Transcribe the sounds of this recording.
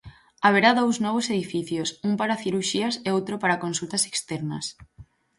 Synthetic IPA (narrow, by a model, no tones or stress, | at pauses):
aβ̞eɾaðowznɔβ̞oseð̞ifiθjosumpaɾaθiɾuʃiaseowt̪ɾopaɾakonsult̪ase̥kst̪ɛɾnɐ̰s